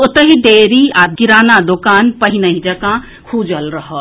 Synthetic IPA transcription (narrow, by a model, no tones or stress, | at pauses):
ot̪əɦid̪eːɾiaɡiɾaːnad̪okaːnpəɦinəɦĩd͡ʒɐkã | kʰud͡ʒəlɾəɦə